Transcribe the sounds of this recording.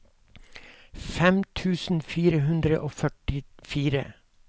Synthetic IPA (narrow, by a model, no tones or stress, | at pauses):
fɛmt̪ʰʉːsn̩fiːɾəhʉnd̪ɾəʔoːfœʈɪfiːɾə̰